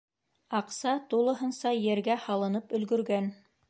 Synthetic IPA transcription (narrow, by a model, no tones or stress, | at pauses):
ɑqsɑt̪ulˠɤ̆ɦɤ̆nsɑjɘ̆ɾɡæhɑlˠɤ̆nɤpɵ̆lɡɵ̆ɾɡæn